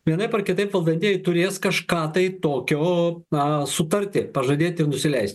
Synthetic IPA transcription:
ʋʲiɛnɐɪpɐrkʲɪt̪ɐɪpʋɐlˠd̪ɐnʲt̪ʲeːjɛɪt̪ʊɾʲeːskɐʃkɑːt̪ɐɪt̪oːkʲoːɐsʊt̪ɐɾʲt̪ʲɪpɐʒɐd̪ʲeːt̪ʲɪrnʊsʲɪlʲɛɪsʲt̪ʲ

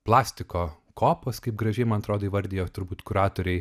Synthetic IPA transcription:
plˠɑːsʲt̪ʲɪkoː | kʰoːpoːskɐɪpɡɾɐʒʲɛɪmɐnɐt̪ɾoːd̪oːiʋɐɾʲd̪ʲɪjoːt̪ʊɾbuːt̪kʊɾɑːt̪oːɾʲɛɪ

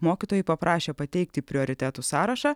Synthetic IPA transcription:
moːkʲit̪oːjɛɪpɐpɾʔɑːʃʲeːpɐt̪ʲɛɪk̚t̪ʲɪpʲɾʲɪɔːɾʲɪt̪ʲæːt̪usɑːɾɐʃɑː

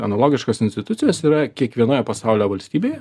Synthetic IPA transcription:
ɐnɐlˠoːɡʲɪʃkosɪnsʲt̪ʲɪt̪ʊt̪sʲɪjɛsiːɾɐkʲiɛkʋʲiɛnoːjɛpɐsɑˑʊlʲoːʋɐlʲsʲt̪ʲiːbʲeːjɛ

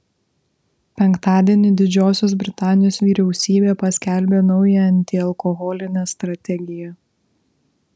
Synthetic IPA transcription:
pʲɛŋˑkt̪ɑːd̪ʲiɛnʲɪd̪ʲɪd͡ʒʲoːsʲoːsbʲɾʲɪt̪ɑːnʲɪjoːsʋʲiːɾʲɛʊsʲiːbʲeːpɐsʲkʲælʲbʲeːnɔʊjɛɐnʲt̪ʲɪɐlˠkɔɣɔlʲɪnʲɛːst̪ɾɐt̪ʲɛɡʲɪjɛ

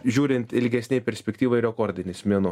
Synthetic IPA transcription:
ʒʲuːɾʲɪnʲt̪ɪlʲɡʲɛsʲnʲɛjpʲɛɾʲsʲpʲɛkʲt̪ʲiːʋɐɪɾʲɛkoːɾʲd̪ʲɪnʲɪsmʲiɛnʊ

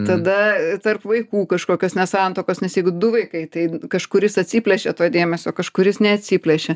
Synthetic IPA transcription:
t̪ɐd̪ɐt̪ɐrpʋɐɪkuːkɐʃkoːkʲoːsnʲɛsɑnt̪oːkoːsnʲɛsjɛɪɡʊd̪ʊʋɐɪkɐɪt̪ɐɪkɐʃkʊɾʲɪsɐt̪ʲsʲipʲlʲɛʃʲet̪oːd̪ʲeːmʲɛsʲoːkɐʃkʊɾʲjɪsnʲɛɐt̪ʲsʲiːpʲlʲɛʃʲɛ

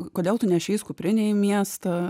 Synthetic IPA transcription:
koːdʲeːlˠt̪ʊnʲɛʃʲɛɪskʊpʲɾʲɪnʲɛɪmʲiɛst̪ɐ

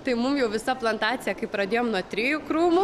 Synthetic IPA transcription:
t̪ɐɪmʊmjɛʊʋʲɪsɐplˠɐnt̪ɑːt̪t͡s̪ʲɪjɛkɐɪpɾɐd̪ʲeːjomnuɔt̪ʲɾʲiːjukɾuːmʊ

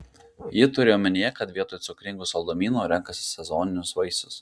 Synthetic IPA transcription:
jɪt̪ʊɾʲeːjoːmʲɛnʲɪjɛkɐt̪ʋʲiɛt̪oːjt̪sʊkʲɾʲɪŋɡʊːsɐlˠd̪oːmʲiːnoːɾʲɛŋkɐsʲɪ̥sʲɛzɔːnʲɪnʲʊsʋɐɪsʊs

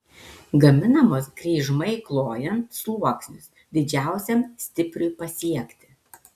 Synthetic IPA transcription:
ɡɐmʲɪnɐmoːsɡɾʲɛɪʒmɐɪklˠoːjɛnt̪suːoːksʲnʲʊs | d̪ʲɪd͡ʒʲæˑʊsʲɛmsʲt̪ʲɪpʲɾʲʊɪpɐsʲiɛkt̪ʲɪ

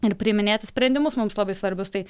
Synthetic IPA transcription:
ɪɾpʲɾʲimʲɪnʲeːt̪ʲɪsʲpʲɾʲɛnʲd̪ʲɪmʊsmʊmslˠɐbɐɪsʋɐɾʲbʲʊst̪ɐɪ

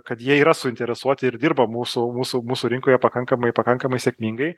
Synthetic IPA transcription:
kɐt̪jiɛiːɾɐsʊɪnʲt̪ʲɛɾʲɛsuɔt̪ʲɪɪɾd̪ʲiːrbɐmuːsʊmuːsʊmuːsuɾʲɪŋkoːjɛpɐkɐŋkɐmɐɪpɐkɐŋkɐmɐɪsʲeɛkʲmʲiŋɡɐɪ

